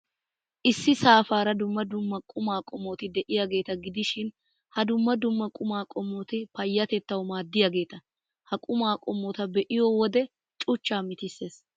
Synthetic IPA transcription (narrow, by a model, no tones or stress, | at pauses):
ʔɪsːɪsaːfaːɾɐd̪ʊmːɐd̪ʊmːɐkʼʊmaːkʼɔmːɔt̪ɪd̪ɛʔɪjaɡe̞ːt̪ɐɡɪd̪ɪʃɪn | hɐd̪ʊmːɐd̪ʊmːɐkʼʊmaːkʼɔmːɔt̪ɪpɐjːɐt̪ɛt̪ːɐwʊmaːd̪ːɪjɐɡe̞ːt̪ɐ | hɐkʼʊmaːkʼɔmːɔt̪ɐbɛʔɪjɔwɔd̪ɛ | t͡ʃʼʊt͡ʃːaːmɪt̪ɪsːeːs